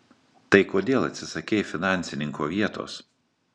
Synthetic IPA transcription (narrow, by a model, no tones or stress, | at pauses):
t̪ɐɪkoːd̪ʲeːlˠɐ̰t̪ʲsʲɪsɐkʲeːfʲɪnɑˑnʲsʲɪnʲɪŋkoːʋʲiɛt̪o̰ːs